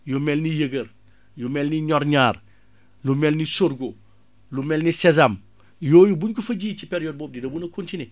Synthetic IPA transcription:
jomɛlnijəɡəɾ | jumɛːlniɲɔɾɲaːɾ | lumɛlnisoɾɡo | lumɛːlnisɛzam | joːjubuɲkufɐɟiːt͡ʃipeɾijoːd̚boːb̚didɐbunɐkontine

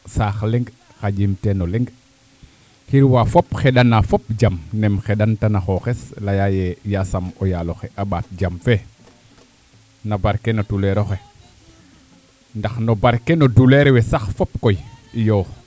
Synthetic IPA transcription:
saːxleŋɡ | xad͡ʒimtenolɛŋɡ | xiɾwafopxeɗanafop̚d͡ʒamnɛmxeɗantanaxoxeslajajejasamojaloxeʔaɓaːt̚d͡ʒamfe | nabaɾkenotuleɾoxe | ndaxnobaɾkenoduleɾwesaxfop̚kojijoːx

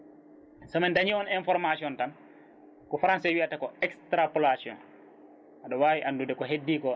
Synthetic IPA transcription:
sɔmɛndaɲiwɔnɛnfɔɾmasiɔntan | kɔfɾansɛwiatakɔɛkstɾapɔlasiɔ̰n | ʔaɗɔwaːwiʔandudɛkɔɦedːiːkɔ

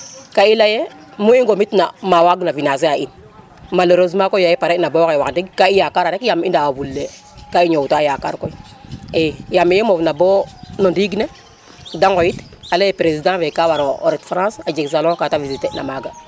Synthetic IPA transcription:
kailaje | muiŋɡomitnamawaɡnavinaz̬eain | maloɾozmakojajepaɾenabokewakdiɡkaijakaɾaɾekjamindaabulːe | kaiɲoutajaka̰ɾkoi | ejamijemovnabonodiɡne | daŋɡojit | alejepɾezidãvekawaɾooɾetfɾãːsad͡ʒeks̬alɔ̃katavizitena̰maɡa

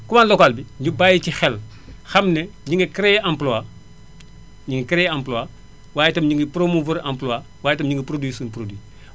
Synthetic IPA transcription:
kumaːnlɔkaːlbiɲubaːjicixɛl | xɐmnɛɲiŋɡɐkɾɛjʔamplɔa | ɲiŋɡɐkɾɛjãmploa | waːjɛtɐmɲiŋɡɐpɾomuvɐɾamploa | waːjɛtɐmɲiŋɡəpɾodwiːsunpɾodwi

